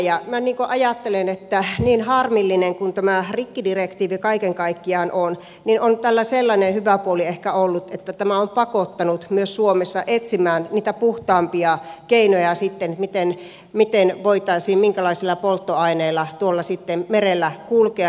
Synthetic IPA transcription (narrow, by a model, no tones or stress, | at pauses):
jɑmæniːŋkoʔɑjɑt̪ːelenet̪ːæniːnhɑrmilːineŋkunt̪æmærikːidirekt̪iːʋikɑikeŋkɑikːiɑːnʔon | ninont̪ælːæselːɑnenhyʋæpuoliehkæolːut̪et̪ːæt̪æmæompɑkot̪ːɑnut̪myøssuomesːɑʔet̪simæːnniːt̪æpuht̪ɑːmpiɑkeinojɑsit̪ːenmit̪en | mit̪enʋoit̪ɑisiːmmiŋkælɑisilːɑpolt̪ːoɑineːlːˑɑt̪uolːɑsit̪ːemmerelːækulke